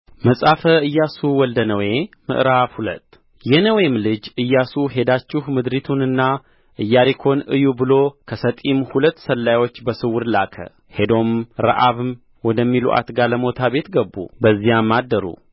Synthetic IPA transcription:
məsʼafəɨjːasuwɔld̪ənəwe̞mɨ̰ʔɾafhulə̰t̪ː | jɛnəwemlɨd͡ʒɨjːasuɦe̞d̪at͡ʃːɪhmɨd̪ɾit̪ʰunɨnːa | ʔɨjːaɾikʰo̞nɨjubɨlo̞kʰəsət̪ʼimhulət̪ːsəlːajwo̞t͡ʃːbəsɨwʊɾlakʰə̰ | he̞d̪o̞mɾə̰ʔaβɨm | wɔd̪əmːilṵʔa̰t̪ɡaləmo̞t̪ʰabe̞t̪ɡəbːṵbəzːijamːad̪ːəɾṵ

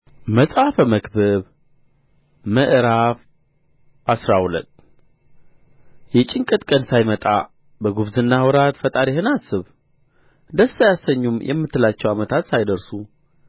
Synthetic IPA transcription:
məsʼafəməkbəβ | məʔɨɾaf | ʔasɾahulə̰t̪ː | jɛt͡ʃʼɪŋkʼɨt̪ʼkʼənsajmət̪ʼa̰ | bəɡuβzɨnːawɾat̪fət̪ʼaɾihɨnasɨβ | d̪əsːajasːəɲːumjʔɛ̰mːɨt̪ʰːɨlat͡ʃːɛwamət̪ʰat̪sajd̪əɾsu

